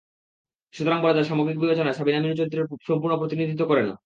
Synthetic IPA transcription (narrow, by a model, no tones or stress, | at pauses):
ʃut̪oɾaŋbɔɾet̪aɾʃamoɡɾik̚bibet͡ɕonaeʃabinaminot͡ɕoɾit̪ːɾeɾʃompuɾnopɾot̪inid̪ʱit̪̬ːokɔɾeno̰